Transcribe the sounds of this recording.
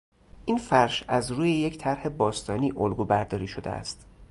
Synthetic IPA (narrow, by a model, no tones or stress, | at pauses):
ʔinfæɾʃæzɾuːjeject̪ʰæɾhe̞bɒːst̪ɒːniːʔolɡuːbæɾd̪ɒːɾiːʃo̞d̪ḛæ̰st̪